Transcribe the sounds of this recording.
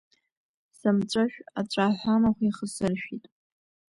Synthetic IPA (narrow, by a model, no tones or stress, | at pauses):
samt͡ʃʷʼaʃᶣat͡ʃʷʼaħʷamaχʷiχəsɨrʃᶣitʼ